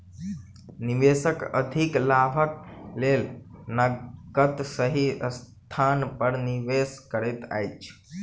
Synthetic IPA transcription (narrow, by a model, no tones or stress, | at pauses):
niʋesəkə̰d̪ʱiklabʱək̚lelnəɡət̪səɦist̪ʰanpəɾniʋeskəɾet̪a̰jt͡ʃʰ